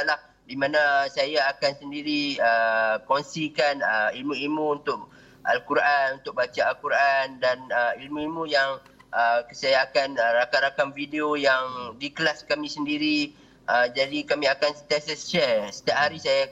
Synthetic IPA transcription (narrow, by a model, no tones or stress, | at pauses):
lah | dimãnasajaːkansəndiɾiəkɔnsikanəilmũilmũunt̪ʊk̚ | ʔa̰lkuɾʔanunt̪ʊk̚bat͡ʃaːlkuɾandanəilmũilmũjaŋ | ʔəsajaːkanəɾakanɾakamvideojaŋdikəlaskamĩsəndiɾi | ʔəd͡ʒadikamĩakansə̥t̪asəsʃɛsə̥t̪iaʔ̚ɦaɾisaja